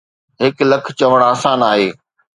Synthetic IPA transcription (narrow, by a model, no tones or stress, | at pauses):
ɦɪklɐkʰt͡ɕɐʋəɽ̃aːsaːnaːɦeː